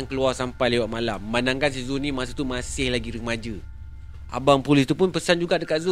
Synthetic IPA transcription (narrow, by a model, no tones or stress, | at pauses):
ŋkəluarsampajlewat̪̚malamːanaŋkans̬izunĩmas̬at̪umasɪhlaɡiɾəmad͡ʒə | a̰baŋpulɪst̪upʊnpəsand͡ʒuɡaʔdəkat̪̚zu